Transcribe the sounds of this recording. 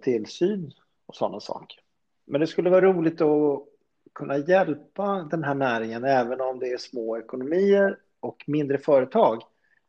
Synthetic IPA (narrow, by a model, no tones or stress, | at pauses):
t̪ʰɪlsyːn | ɔsɔ̰nːasɑ̰ːkə̥ɾ | mɛnd̪ɛskɵlːəvɑːɾaɾuːlɪɡ̚t̪ɔ | kʰɵnːajɛlpad̪ɛnɦæːɳæːɾɪŋənɛːvənɔmd̪ɛæʂmoːɛkʊnʊmiːəɾ | ɔkmɪnd̪ɾəfœːɾət̪ʰɑːɡ